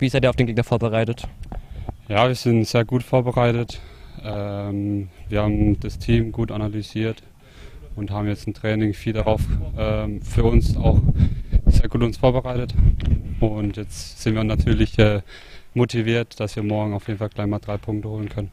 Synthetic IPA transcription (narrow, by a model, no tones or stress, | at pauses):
viːszaɪtdiːaʊd̥enɡeːknɐfoːɐbəʁaɪtət | jaːviːɐz̥ɪntz̥eːɐɡuːtfoːɐbəʁaɪtətʔɛːmviːɐhaːbm̩d̥astʰiːmɡuːtanalyziːɐt | ʊnthaːbm̩jɛt͡stɪntʁ̥ɛːnɪŋfiːldaʁaʊfʔɛːfyːɐʊnsa̰ʊxz̥eːɐɡuːtʊnsfoːɐbəʁaɪtətʔʊntjɛt͡stz̥ɪntviːɐnatʰyːɐlɪçʔɛː | motʰiviːɐtd̥asv̥iːɐmɔɐɡŋ̩aʊfjeːdn̩falɡlaɪçmaːld̥ʁaɪpʰʊŋk̚təhoːlənkʰœnən